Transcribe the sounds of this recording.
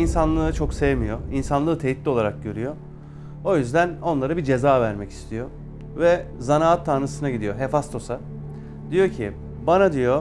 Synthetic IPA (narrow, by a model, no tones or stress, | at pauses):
insanlˠɯːɯt͡ʃʰo̞ksejemijoinsanlˠɯːt̪ʰe̞jit̪lʲio̞lˠaɾak̚ɟø̞ɾyjo̞ | o̞jyzd̪æno̞nlˠaɾɯbid͡ʒe̞zaːvæɾmɛci̥st̪ʰijo̞ | vɛ | zanaːat̪ʰːaɾnɯsɯnaɟid̪ijoɦefast̪ʰo̞sa | d̪ijo̞cʰi | banad̪ijo̞